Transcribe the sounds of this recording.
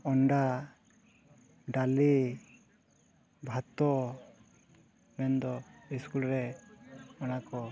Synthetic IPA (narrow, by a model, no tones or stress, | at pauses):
ɔɳɖa | ɖali | bʱat̪ɔ | mɛnd̪ɔiskulɾɛ | ɔnakɔ